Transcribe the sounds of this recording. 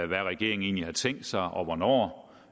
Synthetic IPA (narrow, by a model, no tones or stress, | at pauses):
ʋæʁɛɡ̥e̝̰ɐ̰eŋ̩e̝̰ːnlihɑ̈t͡sʰeŋ̰d̥sɑ̈ɪʔɒ̽ʋɒnɒ̰ː